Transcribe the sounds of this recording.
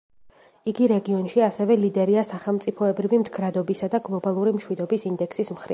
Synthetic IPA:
iɡiɾɛɡiɔnʃiasɛvɛlid̪ɛɾiasaχɛlˠmt̪sʼipʰɔɛbɾivimd̪ɡɾad̪ɔbisad̪aɡlˠɔbalˠuɾimʃwid̪ɔbisind̪ɛkʰsismχɾḭ

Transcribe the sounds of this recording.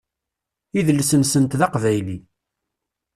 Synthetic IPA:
iðəlːsənsənt̪ðɑqvæjli

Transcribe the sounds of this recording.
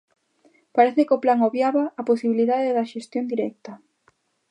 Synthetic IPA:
paɾeθekoplaŋoβjaβaːposiβiliðaðeðɐʃest̪jond̪iɾɛk̚t̪ɐ

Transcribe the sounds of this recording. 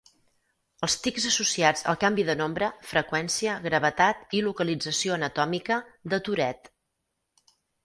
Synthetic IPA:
əlˠst̪ikzəsusiad͡zə̰lˠkambiðənombɾəfɾəkwɛnsiəɣɾəβ̞ət̪at̪ilukəlid͡zəsioənət̪ɔmikəðət̪uɾɛt̪

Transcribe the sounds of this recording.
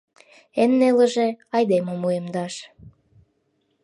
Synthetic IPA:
enːelə̆ʒĕɑjd̪eməmuemd̪ɑʃ

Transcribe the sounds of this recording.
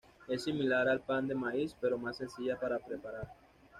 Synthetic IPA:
esimilaɾalpand̪emaispeɾomasːẽnsiʎapaɾapɾepaɾaɾ

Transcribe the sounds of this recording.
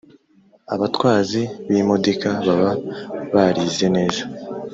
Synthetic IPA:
aβatwaːziβimodikaβaβaβaɾize̞ne̞ːza

